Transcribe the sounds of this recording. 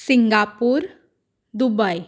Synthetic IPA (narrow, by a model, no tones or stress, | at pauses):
siŋɡapuːɾ | d̪ubəj